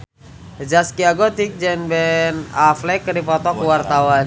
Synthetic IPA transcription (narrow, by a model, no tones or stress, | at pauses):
d͡ʒaskiaɡot̪ik̚d͡ʒɛnbɛnaflɛkədipɔt̪ɔkuwart̪awan